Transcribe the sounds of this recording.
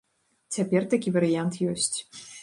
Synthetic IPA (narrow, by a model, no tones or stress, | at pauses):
t͡sʲapʲɛrt̪akʲivɐɾɨjant̪jɔsʲt͡sʲ